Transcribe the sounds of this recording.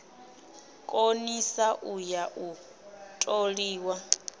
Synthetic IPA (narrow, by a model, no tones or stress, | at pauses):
kʼonisaʔujaʔu | tʼoɺiːwa